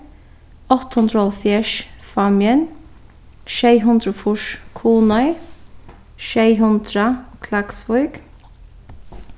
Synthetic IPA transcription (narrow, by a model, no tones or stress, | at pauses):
ɔt̪ɔnd̪ɾɔlfjɛʃfɑmjən | ʃeɪɦʊnd̪ɾʊfʊʃkʰuːnœʏ | ʃeɪɦʊnd̪ɾɑkʰlɑɡ̥sfɔʏɡ̥